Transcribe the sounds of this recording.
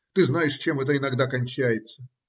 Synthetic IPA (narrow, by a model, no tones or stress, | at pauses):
t̪ɨznajɪʂt͡ɕemɛt̪̬əɪnɐɡd̪akɐnʲt͡ɕæjɪt̪sə